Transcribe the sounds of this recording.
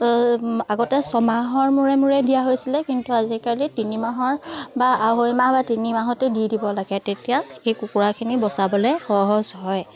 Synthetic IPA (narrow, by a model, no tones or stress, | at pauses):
aɡɔtɛsɔmaɦɔɹmuɹɛmuɹɛdijaɦojsilɛkintuazikalitinimaɦɔɹbaaɦojmabatinimaɦɔtedidibɔlaɡɛtetijaxejkukuɹakʰinibɔsabɔlɛxɔɦɔzɦɔj